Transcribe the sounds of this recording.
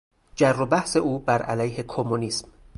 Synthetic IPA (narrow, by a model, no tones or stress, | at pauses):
d͡ʒærːobæhse̞ʔuːbæɾæ̰læjhe̞kʰomːuniːsm